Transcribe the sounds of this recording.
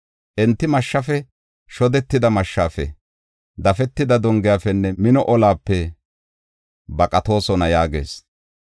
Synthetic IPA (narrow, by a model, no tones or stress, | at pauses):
ʔɛnt̪ːɪmɐʃːɐfɛ | ʃɔd̪ɛt̪ːɪd̪ɐmɐʃːaːfɛ̰ | d̪ɐfɛt̪ːɪd̪ɐd̪ɔŋɡɪjafɛnːɛmɪnɔʔɔlaːpːɛ | bɐkʼɐt̪o̞ːsɔnɐjaːɡḛːs